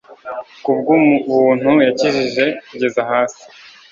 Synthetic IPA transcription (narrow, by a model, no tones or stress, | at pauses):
kubɡuβuːn̥hujaciʒiʒe̞kuɟe̞zaɦaːsi̥